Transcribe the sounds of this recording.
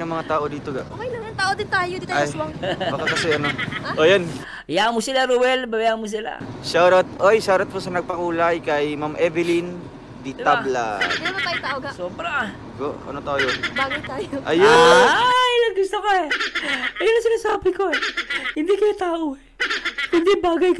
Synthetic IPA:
nɐmɐŋat̪aːʔod̪iːt̪oɡaʔʔokɐjlɐmɐŋt̪aːʔod̪ɪnt̪aːjod̪it̪awaŋbbakakɐsɛʔɐnoʔojon | jamosɪlaɾowɛlbɐbjamos̬ɪla̰ʃaɾɐt̪̚ʔojʃaɾɐt̪̚pʊsɐnɐɡ̚pɐkuːlɐjkɐjmamʔɛvɪlin | d̪it̪ala̰d̪ɐmɐt̪aːjt̪aoɡasoːbɾa | ɡo̰ɐ̰not̪ajobaːɡɐjt̪aːjoʔɐjoajlɐɡʊst̪okɐɛʔɐjonɐŋsɪnasaːbɪko̞ɛhɪnd̪ikɐjt̪aːʔoɛhɪnd̪ibaːɡɐjk

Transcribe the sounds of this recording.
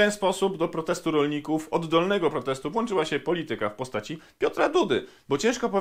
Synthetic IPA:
ɛnspɔsubd̪ɔpɾɔt̪ɛst̪uɾɔlɲikufɔd̪ːɔlnɛɡɔpɾɔt̪ɛst̪uvwɔnt͡ʂɘwaɕɛpɔlʲit̪ɘkafpɔst̪at͡ɕipʲjɔt̪ɾad̪ud̪ɘ | bɔt͡ɕɛ̃ʂkɔpɔ

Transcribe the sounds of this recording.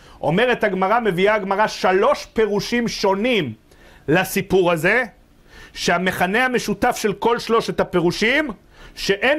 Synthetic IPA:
ʔo̞̰me̞ʁetaɡmaʁame̞viaɡmaʁaʃalo̞ʃpe̞ʁuʃimʃo̞nim | lasipuʁaze | ʃeame̞χane̞hame̞ʃutafʃe̞lko̞lʃlo̞ʃet̪hape̞ʁuʃim | ʃe̞ʔen

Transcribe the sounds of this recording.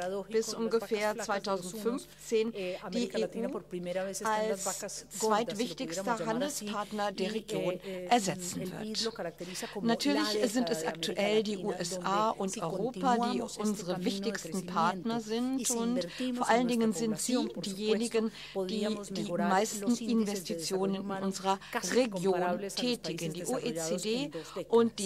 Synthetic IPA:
b̥ɪsʔʊnɡəfeːɐt͡sv̥aɪtʰaʊzn̩tfʏnf | t͡seːnd̥iːʔeːʔuː | ʔalst͡sv̥aɪtv̥ɪçtɪçspɐhɦandl̩spʰaɐtnɐdeːɐʁ̞eɡjoːnʔɛɐzɛt͡sn̩vɪ̰ɐt | natʰyːɐlɪçzɪntɛsʔa̰ktʰuʔɛldiːʔuːʔɛsʔaːʔʊntʔɔʏʁ̞oːpadiːʔʊnzəʁəvɪçtɪçstn̩pʰaɐtnɐzɪntʊntfoɐʔaləndɪŋənzɪntz̥iːdiːjeːnɪɡən | d̥iːd̥iːmaɪstn̩ʔɪnvɛstit͡sjoːnənɪnʔʊnzəʁɐʁeɡjoːntʰɛːtɪɡəndiːʔoʔet͡sedeːʔʊntd̥iː

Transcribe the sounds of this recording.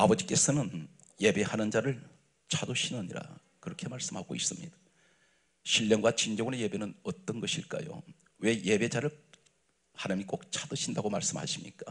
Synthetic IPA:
abʌd͡ʑik͈e̞sʰʌnɯn | je̞be̞hanɯnd͡ʑaɾɯɭ | t͡ɕʰadoɕʰinʌɲḭɾa̰ | kɯɾʌkʰemaɭs͈ɯmhaɡo̰is͈ɯmɲid̥ḁ | ɕʰiʎːʌŋɡwat͡ɕind͡ʑʌŋuneje̞be̞nɯnʌt͈ʌnɡʌɕʰiɭk͈a̰jo̰ | we̞je̞be̞d͡ʑaɾɯɭ | hanɯmik͈ok̚t͡ɕʰadoɕʰindaɡomaɭs͈ɯmha̰ɕʰimɲḭk͈a

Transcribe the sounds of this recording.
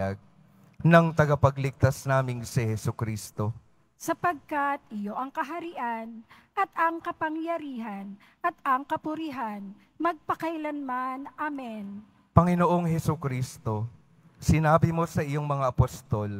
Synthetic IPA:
ɐɡ̚ | nɐŋt̪ɐɡapɐɡlɪɡ̚t̪asnaːmɪŋsɪhɛsʊkɾiːst̪o̞ | sɐpɐɡ̚kat̪̚ʔɪjo̞ʔɐŋkɐɦɐɾɪʔan | ʔɐt̪ɐŋkɐpɐŋjɐɾiːɦɐn | ʔɐt̪̚ɐŋkɐpʊɾiɦan | mɐɡ̚pɐkɐjlɐnmanʔamɛn | pɐŋɪnoʔo̞ŋɦɛsʊkɾiːst̪o̞ | sɪnaːbɪmo̞sɐʔɪjoŋmɐŋaʔɐpost̪o̞l

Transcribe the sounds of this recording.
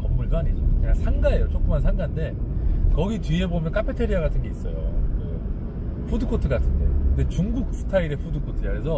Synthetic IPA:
kʌmːuɭdoaɲid͡ʑikɯɲaŋsʰaŋɡae̞jot͡ɕ͈ok͈ɯmansʰaŋɡande̞kʌɡitiɦe̞bomjʌnkʰapʰe̞tʰeɾiaɡatʰɯnɡe̞is͈ʌ̰jo̰kɯ̰ | ɸʰudɯkʰotʰɯɡatʰɯnde̞̰kɯnde̞t͡ɕuŋɡuk̚s͈ɯ̥tʰaiɾe̞pʰudɯkʰotʰɯd͡ʑakɯɾesʰʌ

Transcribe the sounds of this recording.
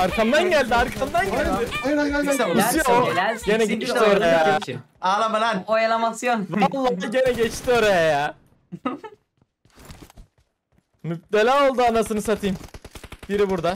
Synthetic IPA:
aɾkʰamd̪anɟælʲd̪iaɾkʰamd̪anɟɛld̪ɪajnaasijoelæsɟenɛɟɛt͡ʃioɾajaa | alabalanojalˠamasijonvalˠːad̪aɟe̞nɛɟɛt͡ʃt̪io̞ɾajajaː | myp̚t̪elʲaːo̞lˠd̪uanasɯnɯsat̪ʰiːmb̥iɾibuɾd̪a

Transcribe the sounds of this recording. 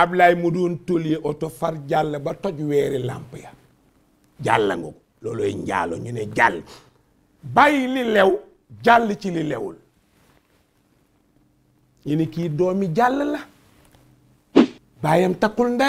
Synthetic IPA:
ablajmuduːntoljeʔotofaɾɟalːbatoɟweːɾila̰mpaja | ɟa̰lːa̰ŋɡo̰k | loloḭɲɟa̰ːlo̰ɲuneɟalː | bajililew | ɟalːt͡ʃililewṵl | jinikidoːmiɟalːəla | bajemtakulnda

